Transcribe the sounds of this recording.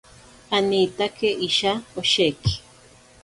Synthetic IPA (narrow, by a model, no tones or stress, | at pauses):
anit̪akʰeʔiʃaoʃeki̥